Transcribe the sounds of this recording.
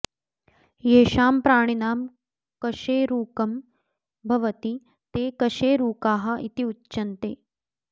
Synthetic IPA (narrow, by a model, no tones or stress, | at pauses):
jeːʃaːmpɾaːɳ̃inaːm | kɐʃeːɾuːkɐm | bʱɐʋɐt̪i | t̪eːkɐʃeːɾuːkaːɦɐ̆it̪iutːt͡ʃɐnt̪eː